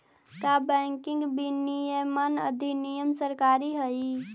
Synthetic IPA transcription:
kabɛŋkĩŋɡbinijəmənə̰d̪ʱinijəmsəɾkaɾiɦəj

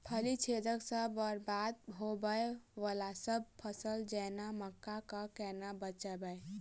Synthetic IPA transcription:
pʰəlit͡ʃʰed̪əksəbəɾbad̪̚ɦobəeʋəlasəb̚pʰəsəld͡ʒɛnaməkːakəkɛnabət͡ʃəbəe

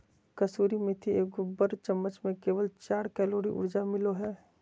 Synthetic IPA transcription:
kɐsuːɾimẽt̪ʰieːkɡobəɾt͡ʃəmːət͡ʃmẽkeːʋəlt͡ʃaːɾkɛːloːɾḭʔʊ̰ɾd͡ʒamɪloɦɛː

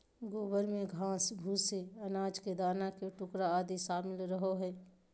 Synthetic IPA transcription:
ɡoːbəɾmẽɡʱãːsbʱuːseɐnaːd͡ʒked̪aːnakeʈʊkɾaaːd̪iʃaːmɪlɾəɦoɦɛː

